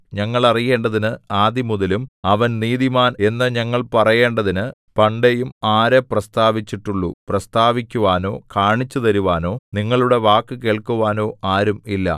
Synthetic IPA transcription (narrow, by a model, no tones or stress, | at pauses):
ɲɐŋːɐɭɐrije̞ːɳɖɐðinɨaːd̪imuðɐlumɐʋɐnniːd̪imaːne̞nːɐɲɐŋːɐɭpɐrɐje̞ːɳɖɐðinɨ | pɐɳɖejumaːɾɐprɐst̪aːʋit͡ɕːiʈːuɭːṵprɐst̪aːʋikʲːuʋaːno̞ːkaːɳit͡ɕːut̪ɐɾuʋaːno̞ːniŋːɐɭuɽe̞ʋaːkːɨke̞ːɭkuʋaːno̞ːaːɾumilːɐ̰